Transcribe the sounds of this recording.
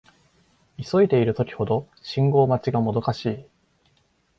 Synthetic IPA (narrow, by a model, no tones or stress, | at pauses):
iso̞it̪e̞iɾɯ̟t̪o̞kʲi̥ho̞d̪o̞ | ɕĩŋɡo̞ːmat͡ɕiɡamo̞d̪o̞kaɕiː